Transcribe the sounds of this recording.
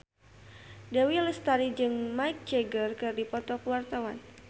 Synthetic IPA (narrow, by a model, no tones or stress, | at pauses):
dawiləst̪aɾid͡ʒɨŋmaik̚d͡ʒeɡərkɨrdipɔt̪ɔkuwart̪awa̰n